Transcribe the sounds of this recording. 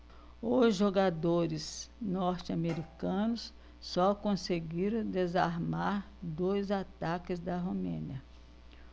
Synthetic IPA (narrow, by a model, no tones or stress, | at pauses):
ʊzʒoɡad̪oɾɪsnɔɾt͡ʃɪameɾikɐ̃nʊs | sɔkõseɡiɾɐ̃w̃d̪ezaɾmaɾ | d̪ojzat̪akɪzd̪ɐɦomḛ̃niɐ